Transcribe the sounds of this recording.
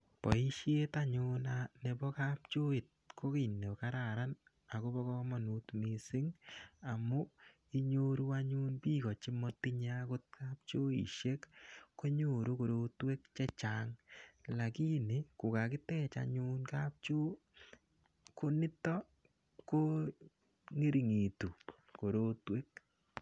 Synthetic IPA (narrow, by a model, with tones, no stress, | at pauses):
pɔ̰˨i˦ʃje˦taɲʊnane˨bɔ˦ka˦pt͡ʃo˦ɪ˨t̚kʰo˦ki˨ne˨ka˦ɾa˨ɾa˦n | a˨ko˦bɔ˦kɔmɔ˨nu˨tmi˨sɪ˦ŋa˨mʊ˦ | i˦ɲo˦ɾu˦aɲu˦npi˦kɔ˨t͡ʃɪ˦mɔ˦ti˦ɲakʊ˦t̚ka˦p̚t͡ʃo˦ḭ˨ʃe˦kːo˦ɲo˦˨ɾo˦ko˨ɾo˦twe˦kt͡ʃɛ˦t͡ʃaŋla˨ki˦ne˨kʊ˨ka˨kɪ˦tɛ˦t͡ʃa̰ɲu˦nka˦p̚t͡ʃo˦ | ko˦nɪ˦tɔ˦ | ko˦ | ŋe˦ɾi˨ŋi˨tu˨ | ko˨ɾo˦twe˦k̚